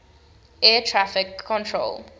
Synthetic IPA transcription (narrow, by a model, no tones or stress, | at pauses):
ɛtʰɹafɪkʰːɔ̃ntʰɹo̰l